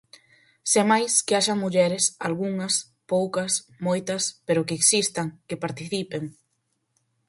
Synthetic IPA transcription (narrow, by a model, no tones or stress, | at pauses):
semajskɪaʃamuʎɛɾɪsalɣuŋɐs | powkɐs | mojt̪ɐspeɾʊkeːksist̪aŋkepaɾt̪iθipeŋ